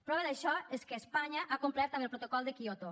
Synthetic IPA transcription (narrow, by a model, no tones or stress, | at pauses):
pɾɔβeðəʃɔeskeːspaɲaʔakumplɛɾt̪amelˠpɾot̪okɔlˠd̪ekiot̪o